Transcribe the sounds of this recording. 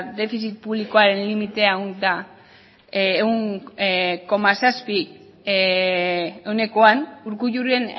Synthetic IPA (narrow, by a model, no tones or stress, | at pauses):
d̪e̞fisit̪̚puβliko̞aɾe̞nlimit̪e̞aunt̪a | euŋ | ko̞masaspi | e̞wne̞ko̞anuɾkuʝurien